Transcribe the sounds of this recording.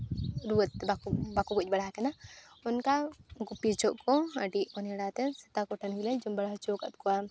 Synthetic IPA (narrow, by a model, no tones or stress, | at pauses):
ɾuət̪ːbakubakuɡɔc̚ˀbɐɽakɛna | ɔnkaɡupit͡ʃɔʔkɔəɖiʔɔnɛɽat̪ɛsɛt̪akɔʈʰənɡilɛd͡ʒɔmbɐɽaɦt͡ʃɔkə̰t̪̚kɔa